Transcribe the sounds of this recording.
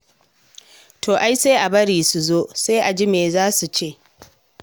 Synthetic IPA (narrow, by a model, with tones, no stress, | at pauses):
tʰoː˨ʔa˦jse˦ʔa˨bɐ˦ɽiː˨su˨zoː˦se˦ʔa˨d͡ʒɪ˦meː˨zaː˦su˨t͡ʃeː˦˨